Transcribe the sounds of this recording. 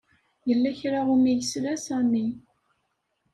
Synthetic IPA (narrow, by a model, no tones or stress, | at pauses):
jəlːæçɾaʁumijəslæsænːi